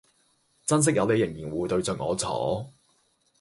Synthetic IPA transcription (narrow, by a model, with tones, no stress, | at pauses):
t͡sɐ˥ns̬ɪ˥k̚jɐ˨˧wle˨˧jɪ˨˩ŋjiː˨˩nwuː˨˧jt̪ɵ˧ɥt͡sɵ˨nŋɔ̰ː˨˧t͡sʰɔ̰ː˨˥˦